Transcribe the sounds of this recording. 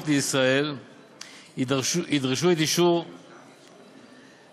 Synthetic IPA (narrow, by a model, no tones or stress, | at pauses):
fd̪əisʁael | id̪ʁiʃ̬uɛt̪iʃuʁ